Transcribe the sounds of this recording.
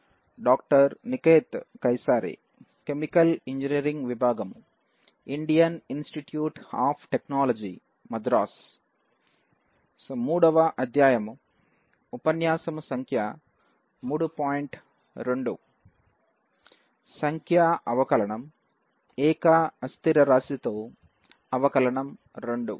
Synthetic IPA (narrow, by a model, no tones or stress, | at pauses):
ɖaːk̚ʈɐɾnikeːt̪kɐjsaːɾḭ | kemikɐliɲd͡ʒiniɐɾiŋɡʋibʱaːɡɐm | iɳɖijɐninsʈiʈjuːʈha̰ːpʰʈeknaːlɐd͡ʒi | mɐd̪ɾaːs | muːɽɐʋɐʔɐd̪ʱjaːjɐm | upɐnjaːsɐmusɐŋkʰja | muːɽupaːjiɳʈ | ɾeɳɖu | sɐŋkʰjaɐʋɐkɐlɐɳɐm | ɛːkaːɐst̪iɾɐɾaːsit̪oː | ɐʋɐkɐlɐɳɐm | ɾeɳɖṵ